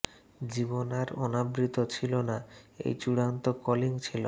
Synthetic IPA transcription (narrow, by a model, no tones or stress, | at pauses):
d͡ʑibonaɾɔnabɾit̪ot͡ɕʰilonaḛjt͡ɕuɽant̪okɔliŋt͡ɕʰilo